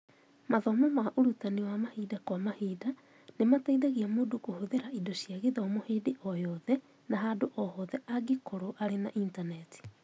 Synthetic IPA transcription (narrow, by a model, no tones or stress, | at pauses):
maðɔmɔmaʔoɾutanewamahiːdakwamahida | nemataiðaɣiamoːdokohoðeɾaidoʃjaɣeðɔmoheːdeʔɔjɔðɛ | naɦadoʔɔhɔðɛʔaɡikoɾoʔaɾenaʔintanɛti̥